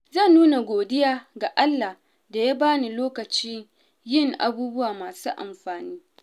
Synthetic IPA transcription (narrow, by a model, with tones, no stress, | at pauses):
zɐ˦˨nːuː˦na˨ɡʷoː˨dɪ˦jaː˦ɡa˨ʔa˦lːa˨ | da˨ja˦baː˦ni˨loː˦kɐ˨t͡ʃiː˦ | jɪ˦˨ŋʔa̰˦buː˦bʊ˦waː˨maː˨suː˦ʔa̰˨mɸaː˨niː˦